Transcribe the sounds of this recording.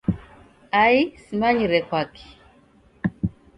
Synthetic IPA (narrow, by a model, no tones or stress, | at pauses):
aisimaɲiɾɛkwaki̥